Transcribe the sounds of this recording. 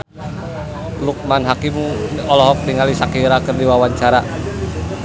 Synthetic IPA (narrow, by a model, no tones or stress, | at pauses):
luk̚manɦakimuɔlɔɦɔk̚niŋalisakiɾakɨrdiwawaɲt͡ʃaɾa